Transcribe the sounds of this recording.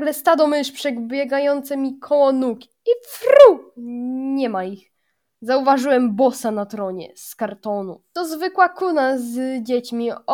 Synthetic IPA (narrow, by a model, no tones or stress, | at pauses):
ɡlɛst̪ad̪ɔmɘʂpʂɛɡbʲjɛɡajɔnt̪sɛmʲikʰɔwɔnukʲ | ifɾu | ɲɛmaix | zauvaʐɘwɛmbɔsanat̪ɾɔɲɛ̰skaɾt̪ɔnut̪ɔzvɘkwakunazd͡ʑet͡ɕmʲi